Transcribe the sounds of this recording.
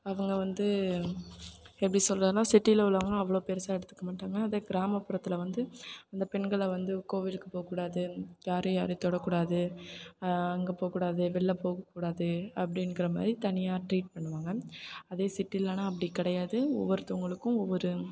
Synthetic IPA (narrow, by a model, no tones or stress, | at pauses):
ɐʋɐŋɡɐʋɐnd̪ɯ | ɛpːɐɽisɔlrɐðnaːsɪʈːiɪlɐʊɭːɐʋɐŋɡɐɐʋːɐɭoːpeɾɐsaːɛɽɯt̪ːɯ̥kːɐmaːʈːaːŋɡɐːðɐɡɪɾaːmɐpːɯɾɐt̪ːɪlɐʋɐnd̪ɯɐnd̪ɐpɛnɡɐɭʋɐnd̪ɯkoːʋɪlɯkːɯpoːɐkːuːɽaːðɯjaːɾɯjaːɾɯt̪ɔɽɐkːuːɽaːðɯ | ɐŋɡepoːkːuːɽaːðɯʋɛɭːɐpoːɣɐkːuːɽaːðɯɐpːɐɽɪnɡɪɾɐma̰ːd̪ɾit̪ɐnɪjaːʈɾiːʈ̚pɐɳːɯʋaːŋɡɐɐðeːsɪʈːilːɐnaːɐp̬ːɐɽikɪɽɐjaːðɯɔ̰ʋːɐɾɯt̪ːɐɐŋɡɐɭɯkːʊ̃ɔʋːɔɾɯ